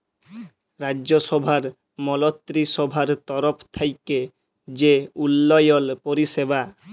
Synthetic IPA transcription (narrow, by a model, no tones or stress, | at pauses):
ɾadʑoʃɔbʱaɾ | mɔlot̪ːɾiʃɔbʱaɾt̪ɔɾopʰt̪ʰajke | d͡ʑeulːɔjolpoɾiʃebʱa